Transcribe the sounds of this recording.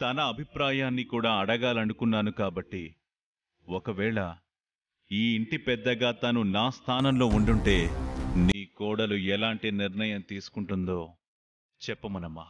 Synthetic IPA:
t̪ɐnɐːbʱipɾaːjaːnːikuːɽaːɐɽɐɡaːlɐnukunːaːnukaːbɐʈːi | wɔkɐʋɛːɭɐ | iːiɳʈipɛd̪ːɐɡaːt̪ɐnunaːst̪ʰaːnɐmlo̞ːuɳɖuɳʈe̞ːniːkɔːɽɐluɛlaːɳʈiniɾnɐjɐmt̪iːsu̥kuɳʈund̪o̞ː | t͡ʃɛpːɐmɐnɐmːaː

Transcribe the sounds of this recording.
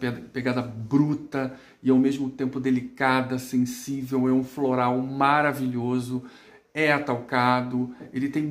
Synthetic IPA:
peɡad̪ɐbɾut̪ɐ | ɪawmezmʊt̪ẽmpʊd̪elikad̪ɐsẽsivewɛũfloɾawmaɾaviʎozʊ | ɛat̪awkad̪ʊelɪt̪ẽj̃

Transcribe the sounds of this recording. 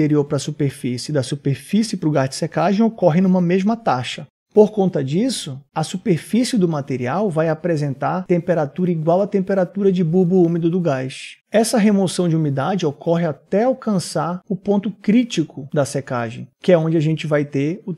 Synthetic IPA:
eɾioɾpɾɐsupeɾfisɪd̪ɐsupeɾfisɪpɾʊɡaɾd͡ʒɪ̥sekaʒẽj̃okɔɦɪnũmɐmeʒmɐt̪aʃɐ | poɾkõnt̪ɐd͡ʒisʊɐsupeɾfisɪd̪ʊmat̪eɾiawvajapɾezẽnt̪aɾt̪ẽmpeɾat̪uɾɐiɡwawɐt̪ẽmpeɾat̪uɾɐd͡ʒɪbubʊumɪd̪ʊd̪ʊɡajʃɛsɐɦemosɐ̃w̃d͡ʒɪumid̪ad͡ʒɪokʰɔɦɪat̪ɛawkɐ̃saɾʊpõnt̪ʊkɾit͡ʃikʰʊd̪ɐseka̰ʒḛ̃j̃kɪɛõd͡ʒɪaʒẽnt͡ʃɪvajt̪eɾʊ

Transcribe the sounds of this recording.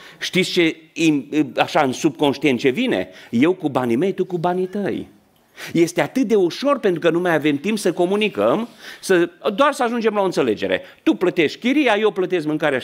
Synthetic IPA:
ʃt̪it̪sʲt͡ʃe̞imaʃaɨnsub̚ko̞nʃt̪ie̞nt̪̚t͡ʃe̞vine̞̰je̞wkubanime̞jt̪ukubanit̪əj | je̞st̪e̞at̪ɨt̪̚d̪e̞uʃo̞rpe̞nt̪ɾukənumajave̞mt̪impsəko̞munikəmsəd̪oarsəaʒund͡ʒe̞mlaoɨnt̪se̞le̞d͡ʒe̞ɾḛt̪uplət̪e̞ʃtkʲiɾijajewplət̪e̞s̬kmɨŋkaɾea

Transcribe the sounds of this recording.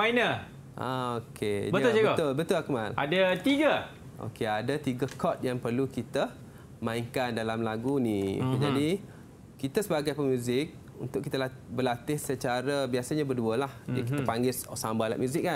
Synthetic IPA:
mainə | ʔa̰okʰebət̪ʊsiɡbət̪ʊlbət̪ʊlakəmalʔadət̪iɡə | o̰keadət̪iɡəkʰɔt̪̚jaŋpərlukit̪ə | mãiŋkandalamlaɡunĩd͡ʒadi | kit̪əsəbaɡajpəmjuzɪk̚ | ṵnt̪ʊkːit̪əla | bəlat̪ɪhsət͡ʃaɾəbiasəɲabərduəlahkiəpaŋɡɪsɔ̰sambala̰ʔmjuzɪk̚ːa

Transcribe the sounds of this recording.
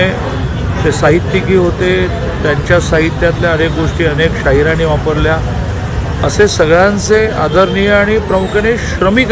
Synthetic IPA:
e | sesaɦit̪ːikiːɦot̪e | t̪jaɲt͡ɕjasaɦit̪jat̪ljaənek̚ɡoʂʈiːənekɕaɦiɾaniʋapəɾlja | əsesəɡɭant͡sea̰d̪əɾnijəaɽ̃ipɾəmukəneɕɾəmik

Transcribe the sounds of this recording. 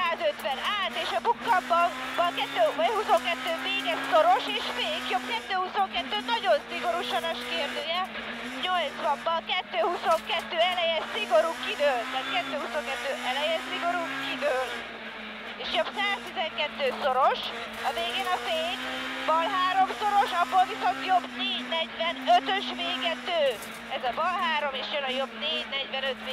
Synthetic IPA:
aːzøt̪ʋɛnaːt̪eːʃɒbukːɒmbɒnbɒkɛt̪ːøːhuso̞ŋkɛt̪ːøːmeːɡɛsoɾoʃeːʃfeːkjobkɛt̪ːøːhuso̞ŋkɛt̪ːøːnɒɟo̞nsiɡo̞ɾuʃɒnɒʃkeːrd̪øːjɛ | ɲolt̪sʋɒmbɒkɛt̪ːøːhuso̞ŋkɛt̪ːøːɛlɛjɛsiɡoɾukid̪øːlt̪ːaːt̪kɛt̪ːøːhuso̞ŋkɛt̪ːøːʔɛlɛjɛnsiɡo̞ɾukid̪øːlt̪ | eːʃjo̞bsaːst̪izɛŋkɛt̪ːøːso̞ɾo̞ʃ | ɒveːɡeːnɒfeːɲbɒlɦaːɾo̞mso̞ɾo̞ʃɒbːolviso̞nt̪jo̞bneːɟnɛɟvɛnøt̪øʃveːɡɛt̪øː | ɛzɒbɒlɦaːɾo̞meːʃjønɒjo̞bneːɟnɛɟvɛnøt̪ʋ

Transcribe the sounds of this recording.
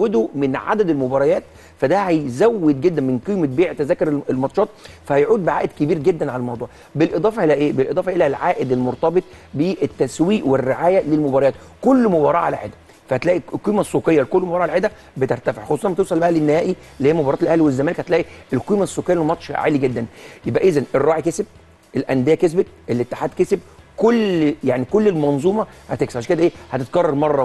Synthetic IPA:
wed̪omenʕa̰d̪æd̪elmobɑɾˤɑjæːt̪ | fæd̪æhæjzæwːed̪̚ɡed̪ːænmenqiːmet̪̚beːʕt̪æzæːkeɾelmɑt̪ˤʃɑːt̪̚fæhæjʕuːd̪̚beʕa̰ːʔed̪kebiːɾɡed̪ːænʕalælmɑwd̪ˤuːʕ | belʔed̪ˤɑːfɑʔelæʔeːbelʔed̪ˤɑːfɑʔelælʕaːʔed̪elmoɾt̪ɑbet̪ˤbeʔet̪ːæswiːʔwerːeʕaːjælelmobɑɾˤɑjɑːt̪ | kolːmobɑːɾˤɑːʕa̰læħed̪æ | fæhæt̪læːʔilqiːmæsˤːuqejːɑlkolːmobɑɾˤɑːʕalæħed̪æ | bet̪eɾt̪æfeʕxosˤuːɑnbæt̪ewsˤɑlbæhælenːehæːʔi | elːiːheːæmobɑɾˤɑːt̪elʔæhliwezːæmæːlekhæt̪læːʔielqiːmæsˤːokejːæmɑt̪ʃʕa̰ːliɡed̪ːænjebʔæʔezænerˤːɑːʕikeseb̚ | ʔelʔænd̪ejækes̬bet̪̚ʔelːet̪ːe̥ħaːd̪keseb̚kolːjaʕnikolːelmɑnzˤuːmɑhæt̪eksæʕaʃæked̪æʔeːhæt̪et̪̚kɑrˤːɑɾˤmɑrˤːɑ

